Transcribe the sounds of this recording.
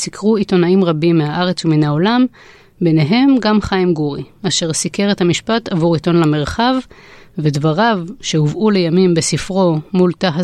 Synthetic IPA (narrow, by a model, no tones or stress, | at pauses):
sikʰʁuito̞naimʁabimːehaʔaʁe̞t͡suminaolam | be̞neɦe̞mɡamχaimɡuʁiaʃe̞ʁsike̞ʁethamiʃpatavuʁito̞nlame̞ʁχavːedvaʁavʃe̞huvʔule̞jamimbe̞sifʁo̞multaɦa